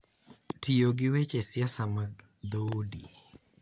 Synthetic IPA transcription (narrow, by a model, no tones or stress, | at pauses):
tioɡɪwet͡ʃesjasamaɡ̚ | d̪odi